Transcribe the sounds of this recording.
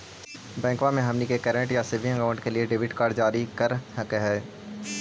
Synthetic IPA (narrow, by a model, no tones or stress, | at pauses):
bɛ̃ːŋkʋamẽɦɐmnikekəɾə̃ɳʈjaseʋĩɐkaʊ̃ɳʈkelieɖɪːʋɪʈkaːɾd͡ʒaːɾikɐɾɐkeɦɛː